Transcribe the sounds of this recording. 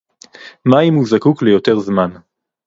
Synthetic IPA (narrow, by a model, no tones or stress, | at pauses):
maimuzakuklejo̞t̪e̞ʁzman